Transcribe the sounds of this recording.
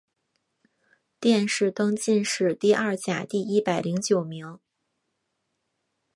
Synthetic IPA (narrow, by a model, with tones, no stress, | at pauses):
t̪jɛ˥˧nʂɻ̩˥˩t̪ɤ˥ŋt͡ɕi˥˧nʂɻ̩˥˧t̪i˥˧ʔɐ˥˩t͡ɕja̰˨˩t̪i˥˩i˥pa˨˩ɪli˧˥ŋt͡ɕjo˨˩ʊmi˧˥ŋ